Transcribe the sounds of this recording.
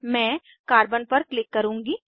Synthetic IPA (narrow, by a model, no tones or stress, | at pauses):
mɛ̃ː | kaːɾbənpɐɾklɪkːɐɾũːŋɡiː